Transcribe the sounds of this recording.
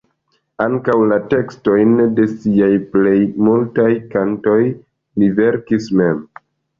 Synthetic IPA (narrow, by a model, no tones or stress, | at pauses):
aŋkawlate̞ksto̞jnde̞siajple̞jmultajkanto̞j | live̞ɾkisme̞m